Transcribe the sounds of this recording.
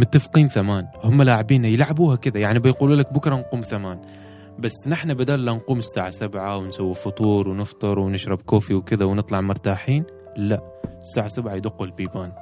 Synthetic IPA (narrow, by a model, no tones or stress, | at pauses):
mʊɪt̪ːafqiːnθamaːnhʊmːalaːʕɪbiːnajɪlʕabuːhakɪðajaʕnibɪjquːluːlak̚bʊkɾˤɑnquːmθamaːn | basːnɪħnabad̪aːlːanquːmɪsːaːʕasabʕawɪnsawːifʊt̪ˤuːɾwnɪft̪ˤɨɾˤwɪnɪʃɾˤɑbkoːfiwkɪðawnɨt̪ˤlɑʕmʊɾˤt̪aːħiːn | la | ɪsːaːʕasabʕajd̪ʊqːʊlbiːbaːn